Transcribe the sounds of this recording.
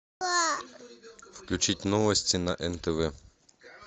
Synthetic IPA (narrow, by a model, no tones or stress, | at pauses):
a | fklʲut͡ʃitʲnɔʋɔsʲtʲinɐʔɛnt̪ɛʋɛ